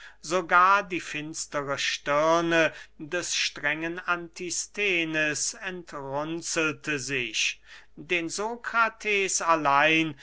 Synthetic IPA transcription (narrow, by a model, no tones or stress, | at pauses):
zoɡaːɐdiːfɪnstəʁəʃtɪɐnədɛsʃtʁ̥ɛŋənantʰistʰeːnəsɛntʁʊnt͡sl̩tʰəzɪçdeːnzokʁ̥atʰɛːsalaɪn